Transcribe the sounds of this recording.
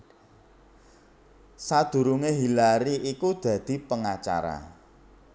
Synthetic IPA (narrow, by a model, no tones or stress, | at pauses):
sad̪̥ṳɾuŋeɦilaɾiʔikud̪̥ä̤d̪̥i̤pəŋat͡ʃa̰ɾa̰